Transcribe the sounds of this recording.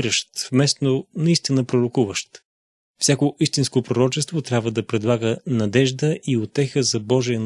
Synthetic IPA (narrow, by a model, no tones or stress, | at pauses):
ɾəʃt̪vmɛst̪nonɐist̪inəpɾoɾokuvəʃt̪ | fsʲjakoʔist̪inskopɾoɾɔt͡ʃɛst̪vot̪ɾʲjabvəd̪ɐpɾɛd̪lˠaɡənɐd̪ɛʒd̪əʔiot̪ɛxəzɐbɔʒijən